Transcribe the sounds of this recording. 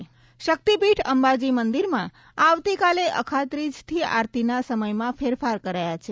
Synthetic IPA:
ʃək̚t̪ipiʈʰəmbad͡ʒimənd̪iɾmã | aʋt̪ikaleʔə̰kʰat̪ɾid͡ʒt̪ʰia̰ɾt̪inasəməjmãfʰeɾfaɾkəɾajat͡ʃʰe

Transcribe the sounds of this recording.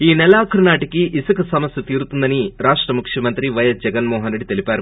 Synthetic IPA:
iːnɛlaːkʰɐɾɐnaːʈɐkiʔisɐkɐsɐmɐsjɐt̪iːɾut̪und̪ɐniɾaːʂʈɾɐmukʂjɐmɐnt̪ɾiʋɐjɐsd͡ʒɛɡɐnmoɔːɦɐnɾeɽit̪elipaːɾu

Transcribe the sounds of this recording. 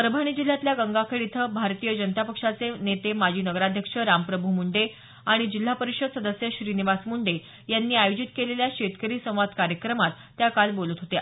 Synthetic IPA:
pəɾbʱaɽ̃iːd͡ʑil̤ːjat̪ljaɡəŋɡakʰəɽit̪ʰəbʱaɾt̪ijəd͡ʑənət̪apəkʂat͡senet̪emad͡ʑʱiːnəɡəɾad̪ʱjəkʂəɾampɾəbʱumuɳɖe | aɽ̃id͡ʑil̤ːapəɾiɕəd̪səd̪əsjəɕɾiːniʋasmuɳɖe | janːiːajod͡ʑit̪keleljaɕet̪kəɾiːsə̃w̃ʋad̪kaɾjəkɾəmat̪ːjakalbolət̪ɦot̪e

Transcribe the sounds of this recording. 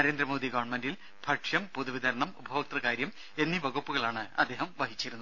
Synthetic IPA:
nɐɾe̞ːnd̪ɾɐmo̞ːd̪iɡɐʋɐɳmendil | b̥ʱɐʈʂjɐmpoðuʋiðɐɾɐɳɐmubʱɐʋɐk̚t̪rɐkaːɾjɐm | e̞nːibɐɡupːuɣɐɭaːɳɨɐ̰d̪ːeːɦɐmʋɐɦit͡ɕːiɾunːu

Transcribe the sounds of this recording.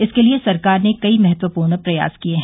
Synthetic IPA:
ɪskeliesɐɾkaːɾnekɐimɛɦɛt̪ʋəpuːɾnpɾɐja̰ːzkieɦ

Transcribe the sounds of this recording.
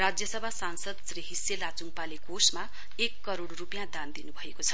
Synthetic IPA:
rad͡zjʌsʌbʱasansʌd̪sriɦiselat͡suŋpalekosma | ekːʌɾoɽrupjãd̪and̪inubʱʌekot͡sʰʌ

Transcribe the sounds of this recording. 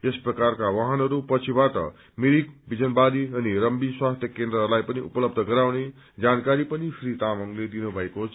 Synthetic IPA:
esprʌkarkawaɦʌnʌɾupʌt͡sʰibaʈʌ̰ | miɾik̚bid͡zʌnbaɾiʌniɾʌmbiswast̪ʰjʌkend̪ɾʌɦrlajpʌniʔupʌlʌbd̪ʱʌɡʌɾawne | d͡zankaɾipʌnipʰɾit̪amʌŋled̪inubʱʌekot͡sʰ

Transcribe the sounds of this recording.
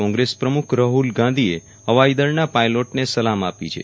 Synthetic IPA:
ɔ̃ŋɡɾespɾəmukʰɾəɦulɡãnd̪ʱie | əʋajd̪əɾnapajloʈnesəlamapit͡ʃʰḛ

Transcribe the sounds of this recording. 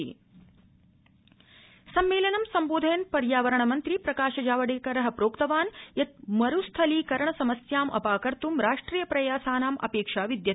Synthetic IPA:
sɐmːeːlɐnɐmsɐmboːd̪ʱɐjɐnpɐɾjaːʋɐɾɐɳɐmɐnt̪ɾipɾɐkaːʃɐd͡ʒaːʋɐɽeːkɐɾɐɦɐ̆pɾoːkt̪ɐʋaːnjɐt̪̚mɐɾust̪ʰɐlikɐɾɐɳɐsɐmɐsjaːmʔɐ̰paːkɐɾt̪umɾaːʂʈɾiːjɐpɾɐjaːsaːnaːmʔɐ̰peːkʂaːʋid̪jɐ

